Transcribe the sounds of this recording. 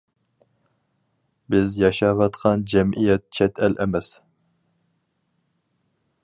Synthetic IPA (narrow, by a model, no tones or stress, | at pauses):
bɪzjɑʃɑvɑt̪qʰɑnd͡ʒɛmʔijɛt̪̚t͡ʃʰɛt̪ʰɛlʔɛmɛs